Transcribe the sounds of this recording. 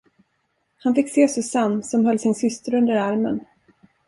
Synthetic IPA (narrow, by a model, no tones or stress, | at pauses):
hanfɪkːseːsɵsanːsɔmɦœlːsɪnsʏst̪əɾɵnd̪əɾaɾmə̰n